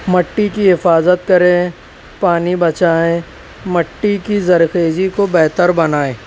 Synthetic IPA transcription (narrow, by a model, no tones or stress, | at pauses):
mɐʈːikiɦɪfaːzət̪̚kɐɾẽ | paːnibɐt͡ʃaːẽ | mɐʈːikizɐɾxeːd͡ʒikobɛɦt̪əɾbɐnaːẽː